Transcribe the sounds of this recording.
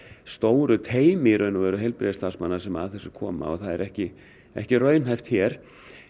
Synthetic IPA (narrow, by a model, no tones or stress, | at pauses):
st̪oːwɾʏt̪ʰeːjmɪɾœɥnavɛɾʏɦɛjlpɾɛðst̪asmanːasɛma̰ðθɛsːʏkʰɔːma̰ɔ̰ɣθaðɛɾɛhcɪ | ɛ̰hcɪrœːɥnɦajft̪çjɛːɾ̥